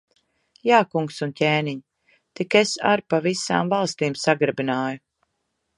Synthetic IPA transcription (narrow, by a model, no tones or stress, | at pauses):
jaːkuŋksuncʲeːniɲ | t̪ikesa̰ɾpavisa̰ːmvalˠst̪iːmsaɡɾɨbinaːju